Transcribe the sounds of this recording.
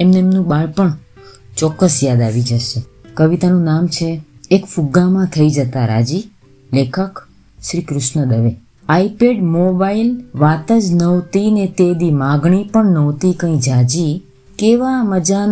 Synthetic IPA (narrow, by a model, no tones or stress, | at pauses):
emneemnũɓaɭpəɳt͡ʃɔkːəsjad̪aʋid͡ʒəʃekəʋit̪anũnamt͡ʃʰeːkfuɡamãt̪ʰəid͡ʒət̪aɾa̰d͡ʒi | lekʰək | ʃɾikɾʊʃɳəd̪əʋe | aipeɖmobailʋat̪əd͡ʒnəʋt̪inet̪ed̪imãɡɳipəɳnəʋt̪ikə̃ĩd͡ʒad͡ʒi | keʋaməd͡ʒa